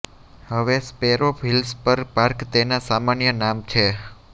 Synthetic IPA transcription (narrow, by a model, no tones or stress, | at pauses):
həʋespeɾofʰilspəɾpaɾkt̪enasamanjənamt͡ʃʰe